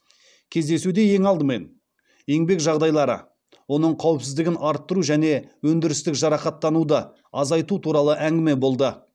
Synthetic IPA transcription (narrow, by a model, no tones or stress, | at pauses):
kʲʰe̞zd̪e̞sud̪e̞je̞ŋɑlˠd̪əme̞n | je̞ŋbe̞kʒɑʁd̪ɑjlˠɑɾə̰ | wo̞nəɴqʰɑwɪpsɪzd̪ɪɡʲɪnɑɾt̪ːəɾuʒæne̞wɵnd̪ɪɾɪst̪ɪkʒɑɾɑqɑt̪ːɑnud̪ə | ɑzɑjt̪ut̪ʰuɾɑlˠəʔæŋɡʲɪme̞bo̞lˠd̪ə